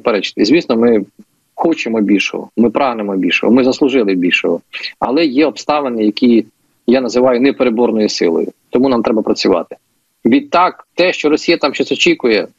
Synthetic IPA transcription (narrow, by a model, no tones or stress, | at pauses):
peɾɛt͡ʃɪ̥t̪ɪzʲʋʲisnɔmɪ | xɔt͡ʃɪmɔbʲilʲʃɔ̰ɦɔ̰mɪpɾɑɦnemɔbʲilʲʃɔ̰ɦɔ̰mɪzɐslˠʊʒɪlˠɪbʲilʲʃɔɦɔɐ̰lˠɛjɛɔpst̪ɑʋenɪjɐkʲi | janɐzɪʋɑjʊnɛpeɾebɔrnɔjʊsɪlˠɔ̰jʊ̰t̪ɔmunɑmt̪ɾɛbɐpɾɐt͡sʲʊʋɑ̰t̪ɪ̥ | ʋʲid̪̚t̪ːɑkt̪ɛʃt͡ʃɔɾɔsʲijɐt̪ɑmʃt͡ʃɔsʲɔt͡ʃikʊjɛ